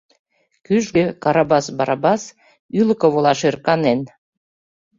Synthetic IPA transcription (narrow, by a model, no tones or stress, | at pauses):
kyʒɡø̆kɑɾɑbɑsbɑɾɑbɑs | ylə̆kŏβolɑʃerkɑnen